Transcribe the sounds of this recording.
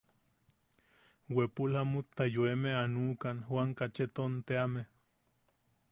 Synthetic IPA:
wepulamut̪ːajoemeanuːkanhwaŋkat͡ʃet̪ont̪eame

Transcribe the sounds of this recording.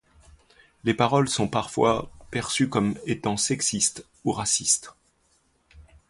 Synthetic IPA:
lepaʁɔlsɔ̃paʁfwapɛʁsykɔmet̪ɑ̃sɛksist̪ | uʁasist̪

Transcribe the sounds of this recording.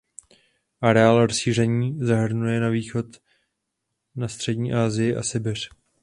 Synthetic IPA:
ʔaɾɛaːlɾosʃiːr̝ɛɲiːzaɦr̩nujɛnaviːxo̞t̪ | nast̪r̥ɛɟɲiːʔaːzɪjɪʔa̰sɪbɪr̝̥

